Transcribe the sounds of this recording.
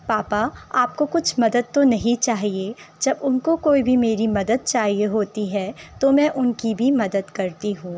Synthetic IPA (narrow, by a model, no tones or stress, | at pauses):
paːpaaːp̚kokʊt͡ʃʰmɐd̪əd̪̚t̪onɐɦĩt͡ʃaːɦied͡ʒɐbʊnkokoːibʱimeːɾimɐd̪əd̪̚t͡ʃaːɦieɦoːt̪iɦɛːt̪omɛ̃ʔʊnkibʱimɐd̪əd̪kɐɾt̪iɦũː